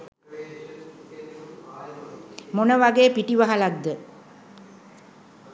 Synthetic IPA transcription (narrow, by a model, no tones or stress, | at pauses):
monəʋaɡeːpiʈiʋaɦalad̪ːə